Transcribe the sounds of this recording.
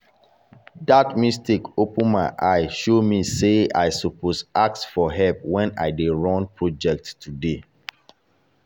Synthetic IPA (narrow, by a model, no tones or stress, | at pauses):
datmistekopə̃nmaɪʔaɪʃomisea̰ɪsɔposak̚sfɔɦɛlp̚wɛ̃na̰ɪdeɹɔ̃npʰɹɔd͡ʒɛk̚tːude